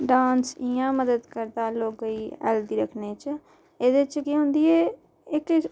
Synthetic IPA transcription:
ɖãːnsiːãːməd̪əd̪kəɾd̪aːloːɡəiːɛ̰ːld̪iːɾəkʰneːt͡ʃ | eːd̪et͡ʃkiːɦʊ̃nd̪iːeː | ɪk

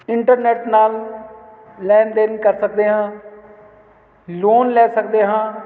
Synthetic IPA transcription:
ɪɳʈəɾnɛːʈnaːlː | ɛːnd̪eːnkəɾsək̚d̪eːɦãː | loːnlɛːsəkd̪eːɦãː

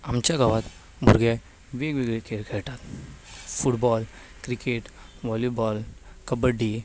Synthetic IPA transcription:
amt͡ɕjaɡaʋat̪ | muɾɡɛ | ʋeɡʋiɡɭekʰeɾkʰɛɭʈ̪at̪fuʈbɔl | kɾikeʈʋɔlubɔlkəbəɖːi

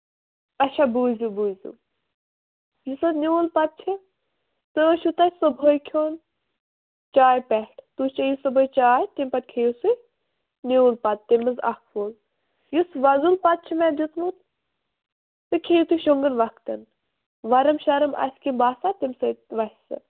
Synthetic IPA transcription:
ɐʃabuːzʲubuːzʲṵ | jusɐt̪nʲiuːlpɐt̪̚t͡ʃʰi | t̪ɨʃut̪ɐsɨbʱojkʰoːn | t͡ʃaːjpɛʈʰt̪ut͡ʃɐjusɨbʱojt͡ʃaːjt̪impɐt̪̚kʰejusu | niuːlpɐt̪̚ːimɨzɐ̰kʰʋoːl | jusʋɐzulpɐt̪̚t͡ʃʰimɛd͡ʒut̪mut̪ | t̪ɨkʲʰejut̪uʃuŋɡɨnʋɐkt̪ɐ̰n | ʋɐɾɐmʃɐɾɐmɐ̰sʲkimbaːsat̪imsɐʋɐsʲsɨ̰

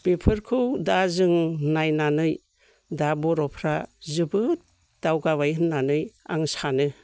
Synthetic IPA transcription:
b̥ipʰɯɾkʰɯwdazɯŋnajnanɯj | dabɔɾɔpʰɾazɯbɯt̚ | d̥awɡabajɦɯnːanɯja̰ŋsanɯ

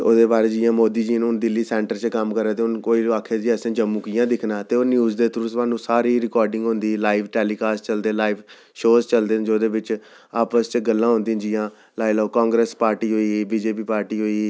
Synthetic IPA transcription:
oːd̪eːbaːɾeːd͡ʒɪjãːmoːd̪iːd͡ʒiːnːʊnd̪ɪlːiːsɛ̃ːɳʈəɾt͡ʃkəmkəɾaːt̪eːʊnkoːiːaːkʰeːd͡ʒiːɛsẽːd͡ʒəmːũːkɪjãːd̪ɪkʰnaːt̪eːoːnjuːzd̪eːt̪ɾʊsmãːnːũːsaːɾiːɾɪkɔːɾɖɪ̃ŋɡɦʊ̃nd̪iːlaːɪʋʈɛːliːkaːst͡ʃəld̪ẽːlaːiʋ | ʃoːzt͡ʃəld̪eːnd͡ʒoːd̪eːʋɪt͡ʃ | aːpəst͡ʃɡəlːãːɦʊ̃nd̪ĩːd͡ʒijãː | laːiloːkɔ̃ːŋɡɾeːspaːɾʈiːɦoːiːiːbiːd͡ʒeːpiːpaːɾʈiːɦoːi

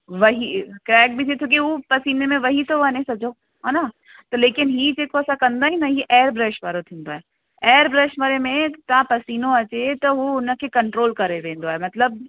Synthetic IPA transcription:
ʋɐɦikɾɛːk̚bɪt̪ʰiet̪ʰok̬iupɐsiːnemẽʋɐɦit̪oʋɐnesɐd͡ʑʱo | ɦana | t̪ɐleːkɪnɦiːd͡ʑeːkoɐsãkɐ̃nd̪aːɦĩnɐɦiʔɛːɾbɾeːʃʋaːɾot̪ʰĩːnd̪oaːɦe | ɛːɾbɾeːʃʋaɾemẽt̪ɐãpɐsiːnõɐt͡ɕet̪ɐɦuʊnə̆kʰekɐ̃ɳʈɾoːlkɐɾeʋẽːnd̪oaːɦemɐt̪ləb̚

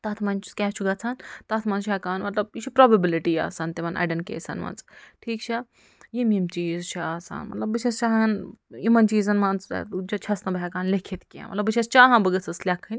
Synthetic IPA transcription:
t̪ɐt̪ʰmɐnt͡ʃʰu̥kʲɛːt͡ʃʰuɡɐt͡sʰant̪ɐt̪ʰmɐnt͡ʃʰɐkaːnmɐt̪lɐb̚it͡ʃʰipɾobɐbiliʈija̰ːsɐnt̪emɐnɐ̰ɖɐnkḛːsɐ̰nmɐ̰nt͡sʈʰiːk̚t͡ʃʰɐ | jimimt͡ʃiːzt͡ʃʰiaːsa̰ːnmɐ̰t̪lɐbːit͡ʃʰest͡ʃaːɦɐɐnimɐnt͡ʃiːzɐnmɐnt͡s̪ud͡ʒɐt͡ʃʰɐsnɐbɦɛkaːnlekʰet̪kiɐ̰mɐt̪lɐbɨt͡ʃʰest͡ʃaːɦɐ̃nbɨɡɐt͡sʰɐslʲɐkʰɨnʲ

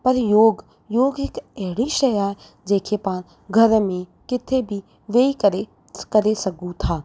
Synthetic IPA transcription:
pɐɾjoːɡ | joːɡɦɪkɛɦɪɽiʃɐjaːɦe | d͡ʒeːkʰepãː | ɡʱɐɾmẽkɪt̪ʰebʱi | ʋeːikɐɾe | kɐɾesɐɡũt̪ʰaː

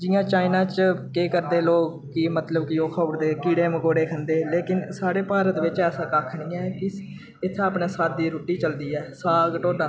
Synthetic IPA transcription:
d͡ʒɪjãːt͡ʃaːɪnãːt͡ʃkeːkəɾd̪eːloːɡ | kɪmət̪ləbkɪoːkʰəɽd̪eːkiːɽeːməkoːɽeːkʰənd̪eːleːkɪnsaːɽeːpaːɾət̪ʋɪt͡ʃɛːsãːkaːkʰɳiːɛ̃ːkɪ | ɪt̪ʰːaːpɳeːsaːt̪̚d̪iːɾuːʈːiːt͡ʃəld̪iːɛːsaːɡʈoːɖãː

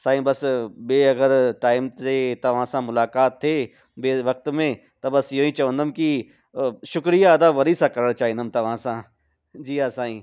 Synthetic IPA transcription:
saːɦĩbɐsbeːɐɡəɾʈaːɪmeːt̪ɐʋ̤ãːsãːmʊlaːkaːt̪ʰːeː | beʋɐk̚t̪mẽ | t̪ɐbɐsjoːĩt͡ʃɐʋə̃nd̪əmki | ʃʊkɾijaːd̪aːʋɐɾisãkɐɾəɽ̃t͡ʃaːɦĩnd̪əmt̪ɐʋ̤ãsãː | d͡ʒiːɦaːsãːĩː

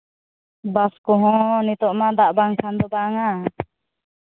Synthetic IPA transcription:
baskɔɦɔ̃nit̪ɔʔmad̪aʔbaŋkʰand̪ɔbaŋa

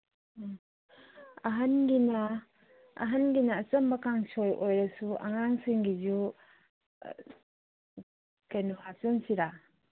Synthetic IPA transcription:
aɦanɡina̰ː | ɦanɡinaːt͡ʃɐmbakaŋsojʔojɾasua̰ŋaŋsiŋɡizu | kajnuhasunsiɾa

